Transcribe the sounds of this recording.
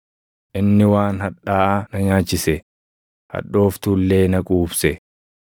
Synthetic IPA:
ʔɪnːɪwaːnhɐᶑaːʔnɐɲaːt͡ʃːɪsɛ | hɐ̰ᶑːo̞ːft̪ulːe̞ːnɐkʼuːbsɛ

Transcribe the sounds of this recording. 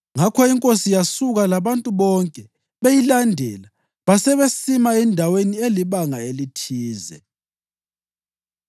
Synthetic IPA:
ŋakʰɔiŋkʼosijasuɣalaβantʼuβɔŋkʼɛ | βejilandʱɛ̰la | βasɛβesimaɛndʱawenieliβaŋaelitʰiːzɛ̰

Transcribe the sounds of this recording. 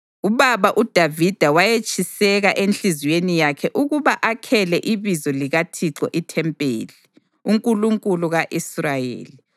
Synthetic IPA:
uβaβaʔud̥ʱavid̥ʱawajet͡ʃʼisɛɣaʔent͡ɬizwenijakʰɛʔuɣuβaʔakʰɛlɛʔiβizɔliɣatʰiǁɔʔitʰɛmpʼḛːli | uŋkʼuluŋkʼuluɣaʔisrajḛːli

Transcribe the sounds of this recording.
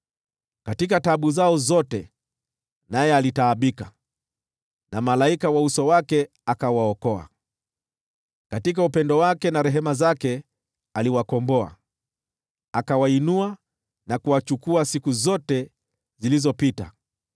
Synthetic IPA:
katikataɓuzaɔzɔtɛ | najɛalitaːɓika | namalaikawausɔwakɛ | akawaɔkɔa̰ | katikaupɛndɔwakɛnaɾɛɦɛmazakɛ | aliwakɔmbɔa̰ | akawainua | nakuwat͡ʃukuasikuzɔtɛ | zilizɔpita̰

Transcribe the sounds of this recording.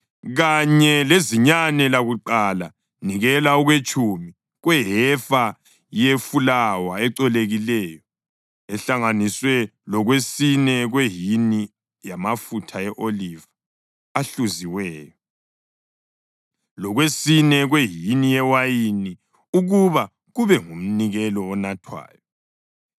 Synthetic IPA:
ɣaɲɛleziɲanɛlaɣuǃala̰ | niɣɛlauɣwet͡ʃʼumi | ɣwɛɦɛfa | jefulawaɛǀɛleɣilɛːjɔ | ɛɬaŋaniswɛlɔɣwesinɛɣweɦini | jamafutʰaɛʔoliva | aɬuziwɛːjɔ | lɔɣwesinɛɣweɦinijɛwajini | uɣuβa | ɣuβɛŋum̩niɣɛlɔːnatʰwa̰ːjɔ

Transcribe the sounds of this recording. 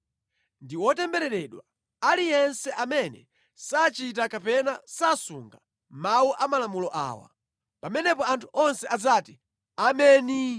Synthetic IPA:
ndiwɔtɛmbɛɾɛɾɛɗwa | alijɛnsɛʔamɛnɛ | sat͡ʃit̬akapɛnasasuŋɡa | mawuʔamalamulɔʔa̰ːwa̰ | pamɛnɛpɔantʰuʔɔnsɛʔazati | amɛːni

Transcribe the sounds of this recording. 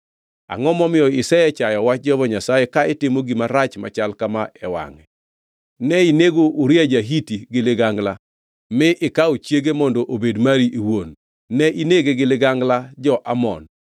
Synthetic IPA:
a̰ŋɔmɔmɪɔɪsɛɛt͡ʃajɔwat͡ʃd͡ʒɔvɔɲasajekaɪtɪmoɡimaɾat͡ʃma̰t͡ʃalkamaɛwa̰ŋɛ | nɛineɡoʔuɾjad͡ʒaɦitiɡɪlɪɡaŋɡla | mɪʔɪkaot͡ʃjeɡemɔndɔʔobedmaɾiʔiwonː | ɛʔineɡeɡɪlɪɡaŋɡlad͡ʒɔʔamɔ̰n

